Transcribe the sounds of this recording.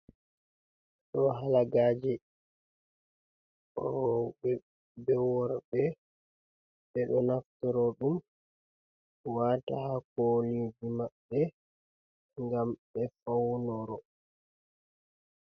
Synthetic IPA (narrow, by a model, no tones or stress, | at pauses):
ɗɔɦalaɡad͡ʒɛ | ɔbɛ | bɛwɔɾbɛ | ɓɛɗɔnaftɔɾɔɗum | watahakolid͡ʒimaɓːɛ | ŋɡamɓɛfawnɔɾɔ